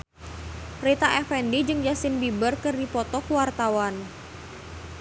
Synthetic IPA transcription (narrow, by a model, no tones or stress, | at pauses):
ret̪aʔɛfɛndid͡ʒɨŋd͡ʒasɪnbibərkɨrdipɔt̪ɔkuwart̪awan